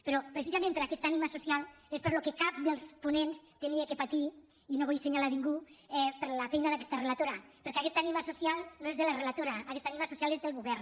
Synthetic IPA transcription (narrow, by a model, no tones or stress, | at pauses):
peɾopɾes̬izamẽmpeɾakɛst̪animasusjalespeɾlokekap̚d̪elˠspunenst̪eniekepat̪i | inoβojinseɲalaβiŋɡuɛpeɾlafɛjnaðakɛ̥st̪arelat̪oɾapeɾkeakɛst̪animasusjalˠnoezðelarelat̪oɾaakɛst̪animasusjalezðelɣuβɛɾ